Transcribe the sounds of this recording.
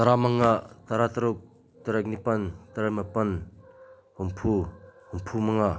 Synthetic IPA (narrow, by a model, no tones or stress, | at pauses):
taɾamaŋːat̪aɾat̪ɐɾuk̚ | t̪ɐɾak̚nipɐnt̪ɐɾajmapɐn | humpʰuhumpʰumaŋa